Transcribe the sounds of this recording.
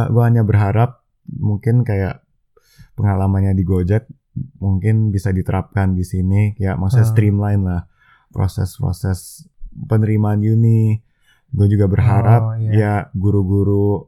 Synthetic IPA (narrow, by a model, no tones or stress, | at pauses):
ɡuaɦaɲabərɦaɾap̚ | muŋkɪnkaja̰ʔ | pəŋalamanɲadiɡod͡ʒɛk̚ | muŋkɪnbisadit̪əɾap̚kandisiniaja̰ʔmaksuast̪ɾimlaɪnlah | pɾo̰sɛ̰spɾo̰sɛspənəɾimaːnjunɪ | ɡuad͡ʒuɡabərɦaɾap̚jaɡuɾuɡuɾu